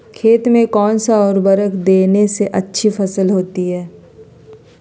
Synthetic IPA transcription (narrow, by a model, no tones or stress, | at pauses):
kʰeːt̪mẽkɔːnsaɔːɾbɐɾəkʰd̪eːneseʔɐtːʃʰifɐsəlɦoːt̪iɦɛː